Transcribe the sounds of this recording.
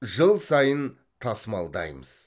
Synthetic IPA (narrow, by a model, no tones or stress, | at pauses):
ʒəlˠsɑjən | t̪ʰɑsəmɑlˠd̪ɑ̰jməz̥